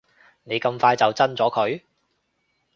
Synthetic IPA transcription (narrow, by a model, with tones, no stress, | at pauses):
ne˨˧jkɐ˧mfaː˧jt͡sɐ˨wt͡sɐ˥nt͡sɔː˨˥kʰɵ˨˧ɥ